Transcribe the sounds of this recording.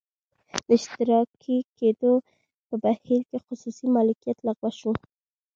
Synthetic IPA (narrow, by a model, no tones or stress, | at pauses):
d̪əɪʃt̪ɪɾɑkʰiked̪o | pəbahiɾkexʊsusimɑlɪkijat̪laɣwaʃu